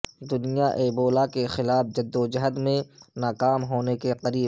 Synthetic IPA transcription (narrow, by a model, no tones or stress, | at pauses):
d̪ʊnijaʔeːboːlakexɪlaːfd͡ʒɐd̪ːod͡ʒɐɦəd̪mẽnaːkaːmɦoːnekeqɐɾiːb